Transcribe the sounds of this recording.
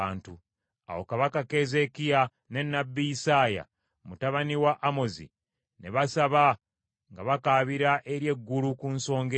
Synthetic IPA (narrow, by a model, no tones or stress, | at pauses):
aːntu | a̰wo̞̰kaβakake̞ze̞kija | ne̞nːabːiisaːja̰ | mutaβaniwaʔːmo̞zḭ | ne̞βasaβa | ŋɡaβakaːβiɾaʔe̞ɾje̞ɡːulukunso̞ːŋɡe